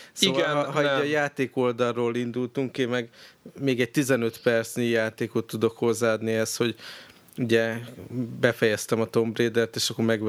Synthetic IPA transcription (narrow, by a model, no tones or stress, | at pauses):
sivɒlɒɦɒiɒjaːt̪eːko̞ld̪ɒrːoːlind̪ult̪uŋkeːmɛɡmeːɡɛɟ̚t̪izɛnø̞t̪pɛrt̪snijaːt̪eːkot̪ːud̪o̞kho̞zːaːɒd̪niɛst̪ho̞ɟ | uɟɛ | bɛfɛjɛst̪ɛmɒt̪o̞mbreːd̪ɛrt̪eːʃɒkːoɾmɛɡ